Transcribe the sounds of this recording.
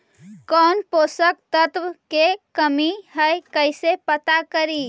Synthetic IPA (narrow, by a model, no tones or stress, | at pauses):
kɔnposək̚t̪ət̪ʋkekəmihəjkəjsepət̪akəɾi